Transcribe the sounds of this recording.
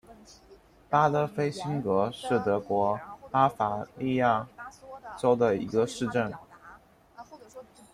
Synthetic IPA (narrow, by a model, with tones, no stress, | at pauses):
pa˥t̪ɤ˥˩fe˥ɪɕi˥nkɤ˧˥ʂɻ̩˥˩t̪ɤ˧˥kwɔ˧˥pa˥fa˧˩li˥˧ja˥˩ | ʈ͡ʂo˥ʊd̪ə˨ḭ˧˥ɡə˧ʂɻ̩˥˧ʈ͡ʂə˥˩n